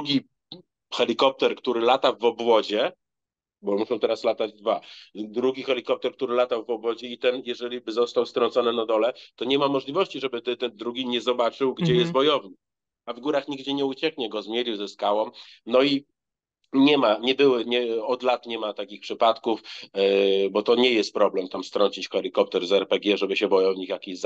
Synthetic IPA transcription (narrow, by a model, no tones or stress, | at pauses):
uɡʲi | xɛlʲikɔp̚t̪ɛɾkt̪uɾɘlat̪avɔbwɔd͡ʑɛ | bɔmuʂɔ̃w̃t̪ɛɾaslat̪ad͡ʑd̪vad̪ɾuɡʲixɛlʲikɔp̚t̪ɛɾkt̪uɾɘlat̪avɔbwɔd͡ʑɛit̪ɛnjɛʐɛlʲibɘzɔst̪awst̪ɾɔntsɔnɘnad̪ɔlɛt̪ɔɲɛmamɔʐlʲivɔɕt͡ɕiʐɛbɘt̪ɘt̪ɛnd̪ɾuɡʲiɲɛzɔbat͡ʂɘwɡd͡ʑɛjɛst̪bɔjɔvɲɘ | avɡuɾaxɲiɡd͡ʑɛɲɛut͡ɕɛkɲɛɡɔzmʲjelʲiwzɛskawɔmnɔi | ɲɛmaɲɛbɘwɘɲɛɔd̪lat̪ɲɛmat̪akʲixpʂɘpat̪kuf | bɔt̪ɔɲɛjɛst̪̚pɾɔblɛmt̪amst̪ɾɔɲt͡ɕit͡ɕxɛlʲikɔp̚t̪ɛɾzɛɾpɛɡʲɛʐɛbɘɕɛbɔjɔwvɲikjakʲiz